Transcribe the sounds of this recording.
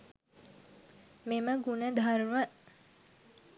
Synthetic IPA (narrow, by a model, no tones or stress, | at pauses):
meməɡunəd̪ʱaɾuʋə